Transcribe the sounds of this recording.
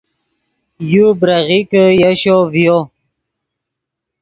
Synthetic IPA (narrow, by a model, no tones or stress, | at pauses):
jubɾaɣikəjaɕovjo